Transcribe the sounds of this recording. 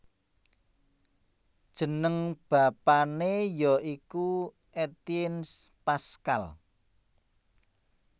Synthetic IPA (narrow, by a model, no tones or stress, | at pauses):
d̥ʒ̥ə̤nəŋb̥ä̤panejɔiku | ʔet̪iɪns | paska̰l